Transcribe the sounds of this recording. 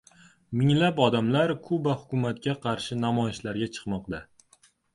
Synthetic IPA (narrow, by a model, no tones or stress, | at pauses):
mɪŋlapɒd̪amlaɾkʰʊbahʊkʰʲʊmat̪kʲaqʰɑɾʃɪnamɒjɪʃlaɾɡʲat͡ʃʰɨ̥qmɒqd̪a